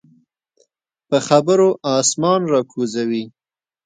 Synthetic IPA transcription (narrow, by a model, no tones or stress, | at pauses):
pəxabəɾoʔɑsmɑnɾɑkʰuzawi